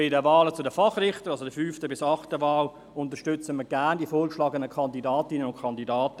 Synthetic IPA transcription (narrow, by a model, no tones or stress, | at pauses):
ɪdəvaːlət͡sʊdəfɑχrɪχtəɾɑlsodəfyːftəbɪsɑχtəʋaːl | ʊntəʃtʏt͡səməɡæːndiəfoːɾkʃlɑːɡənəkʰɑndidɑːtɪnənʊnkʰɑndidaːtə